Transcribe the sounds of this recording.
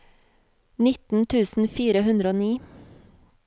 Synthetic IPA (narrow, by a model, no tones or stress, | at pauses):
nɪt̪n̩t̪ʰʉːsn̩fiːɾəhʉnd̪ɾəoːniː